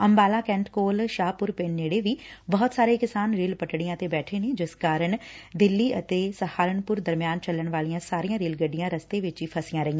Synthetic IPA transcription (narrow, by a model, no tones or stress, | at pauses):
əmbaːlãːkɛ̃ːɳʈkoːlʃaːpʊɾpeːnːeːɽeːʋiːbɔːt̪saːɾeːkɪsaːnɾiːlpəʈɽijãːət̪eːbɛːʈʰeːneːd͡ʒɪskaːɾəɳ | d̪ɪlːiːət̪eːsəhaːɾəɳpʊɾd̪əɾmɪjaːnt͡ʃəlːəɳʋaːlijãːsaːɾijãːɾiːlɡəɖːɪjãːɾəst̪eːʋɪt͡ʃiːpʰəsɪjãːɾəiːã